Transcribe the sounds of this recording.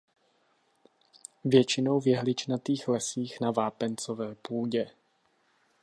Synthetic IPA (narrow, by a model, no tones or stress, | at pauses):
vjɛt͡ʃɪnowvjɛɦlɪt͡ʃnat̪iːxlɛsiːxnavaːpɛnt͡so̞vɛːpuːɟɛ